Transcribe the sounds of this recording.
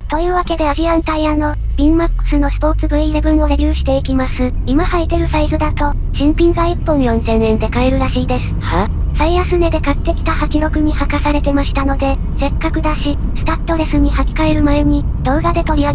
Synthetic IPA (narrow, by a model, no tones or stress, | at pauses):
t̪o̞jɯ̟ːβake̞d̪e̞aʑiãnt̪aianːo̞ | bʲiŋmakːɯ̟̥sɨno̞sɨ̥po̞ːt͡sɨbɯ̟iɾebɯ̟̃ɰ̃o̞ɾe̞bʲjɨːɕi̥t̪e̞ikʲimasɨ | imahait̪e̞ɾɯ̟saizɨd̪at̪o̞ | ɕĩmpʲĩŋɡaipːõ̞ɰ̃jõ̞nzẽ̞ñẽ̞nd̪e̞kae̞ɾɯ̟ɾaɕiːd̪e̞sɨ̥ | saiasɨne̞d̪e̞kat̪ːe̞kʲi̥t̪ahakʲiɾo̞kɯ̟ɲ̟ihakasaɾe̞t̪e̞maɕi̥t̪ano̞d̪e̞ | se̞kːakɯ̟d̪aɕisɨ̥t̪at̪ːo̞ɾe̞sɨɲ̟ihakʲi̥kae̞ɾɯ̟maeɲ̟i | d̪̥o̞ːɡad̪e̞t̪o̞ɾʲia